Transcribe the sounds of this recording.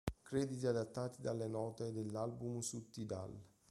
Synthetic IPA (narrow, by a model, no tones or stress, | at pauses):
kɾɛd̪it̪iad̪at̪ːaːt̪id̪alːenɔːt̪ed̪elːalbumsut̪ːid̪a̰l